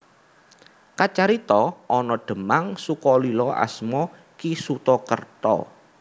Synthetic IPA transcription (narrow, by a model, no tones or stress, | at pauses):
kat͡ʃaɾit̪ɔɔnɔɖ̪̥ə̤maŋsukɔlilɔʔa̰smɔ | kisut̪ɔkərt̪ɔ̰